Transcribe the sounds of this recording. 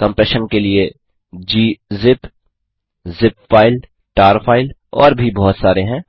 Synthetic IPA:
kɐ̃mpɛːʃənkelie | d͡ʒiːzɪp | zɪpfaːɪl | ʈaːɾfʰaːɪlɔ̰ːɾbʱibɔɦʊt̪saːɾeɦɛ̃ː

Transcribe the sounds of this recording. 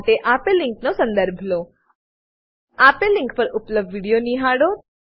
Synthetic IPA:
t̪eʔapelːɪ̃ŋknosə̃nd̪əɾbʱlo | apelːɪ̃ŋk̚pəɾʊpləbʋiɽijoniɦaɽo

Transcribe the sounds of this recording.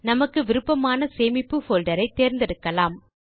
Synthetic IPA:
nɐmɐkːɯʋɪɾɯpːɐmaːnɐseːmɪpːɯfoːlɖɐɾɐɪt̪ːeːɾnd̪ɪɽɯkːɐlaːm

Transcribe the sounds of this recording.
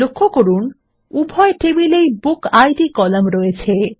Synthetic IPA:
okʰːokoɾun | ubʱɔeʈebilejbukajʈikɔlamɾɔet͡ɕʰe

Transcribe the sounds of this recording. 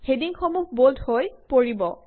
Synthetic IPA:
hediŋxɔmukboldʱhojpoɹibɔ

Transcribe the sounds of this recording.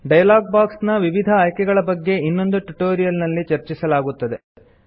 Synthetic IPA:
ɖɐjɐlaːɡ̚baːksnɐʋiʋid̪ʱɐːjkɛɡɐɭɐbɐɡːe̞inːo̞nd̪uʈuʈoːɾijɐlnɐlːit͡ʃɐɾt͡ʃisɐlaːɡut̪ːɐd̪e

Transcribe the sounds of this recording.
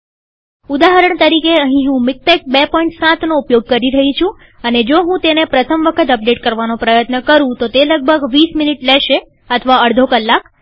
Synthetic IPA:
ud̪aɦəɾəɳt̪əɾikeəɦĩɦũmɪk̚ʈɛk̚bepɔĩɳʈsãt̪noupjoɡ̚kəɾiɾəɦĩt͡ʃʰũ | əned͡ʒoɦũt̪enepɾət̪ʰəmʋəkʰət̪əp̚ɖeʈ̚kəɾʋanopɾəjət̪nəkəɾũt̪ot̪eləɡ̚bʱəɡʋisminiʈlɛʃe | ət̪ʰəʋaəɽd̪ʱokəlːak

